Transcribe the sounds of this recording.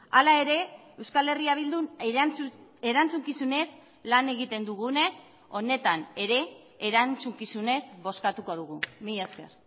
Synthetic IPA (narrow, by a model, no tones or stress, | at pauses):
alae̞ɾe̞ewskale̞riaβ̞ild̪un | eɾant͡suŋkisune̞z | lane̞ɣit̪e̞nd̪uɣune̞s | o̞ne̞t̪ane̞ɾe̞ː | ɾant͡suŋkisune̞zβo̞skat̪uko̞ð̞uɣ̞umijeske̞̰r